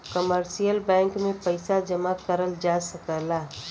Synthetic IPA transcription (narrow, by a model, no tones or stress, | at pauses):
kəməɾsijəlbɛ̃ŋkmepəɪsad͡ʒəmakəɾəld͡ʒasəkəla